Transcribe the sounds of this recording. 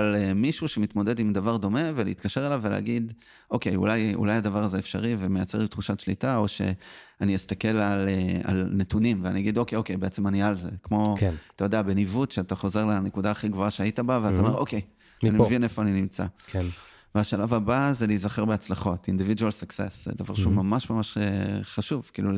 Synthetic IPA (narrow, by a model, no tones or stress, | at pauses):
alemiʃuʃe̞mit̪mo̞d̪e̞d̪imdavaʁd̪o̞me̞veleitkaʃe̞ʁelavːelḛaɡid̪ | o̞ke̞jṵlajṵlajad̪avaʁazeefʃaʁiveme̞jat͡se̞ʁlit̪χuʃaʃlḭtao̞ʃe̞̰anijistake̞lalea̰lnetunimveaniaɡido̞kejo̞kejbeet͡semanialze̞̰kmo̞kat̪ajo̞d̪eabe̞nivutʃeataχo̞ze̞ʁlenekudaːχiɡvoaʃeaitabaveat̪aome̞ʁo̞̰kej | animmevinefo̞aninimt͡sa̰k | veaʃalavabazelijzaχe̞ʁbeat͡slaχo̞tind̪ividualsaksḛsḛd̪ava̰ʁʃeumamaʃmamaʃeχaʃuvkḭːlu